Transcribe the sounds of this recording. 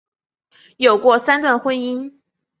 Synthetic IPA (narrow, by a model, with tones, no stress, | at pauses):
jo˨˩ʊkwɔ˥˧sa˥nt̪wa˥˩˧nxwə˥ni˥n